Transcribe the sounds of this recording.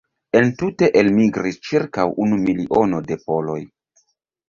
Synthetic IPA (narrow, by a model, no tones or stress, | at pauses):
e̞ntute̞ʔelmiɡɾist͡ʃiɾkawʔunumiliʔo̞no̞de̞po̞lo̞̰j